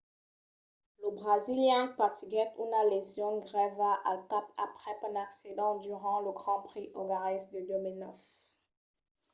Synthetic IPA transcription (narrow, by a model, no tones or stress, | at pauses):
ləbʁaziljɛ̃pat̪iɡɛt̪unalezjɔ̃nɡʁɛvaʔat̪apapχɛpɛ̃naksid̪ɑ̃d̪yʁɑ̃ləɡʁɑ̃pχiʔɔɡaʁisd̪əd̪ømilnœf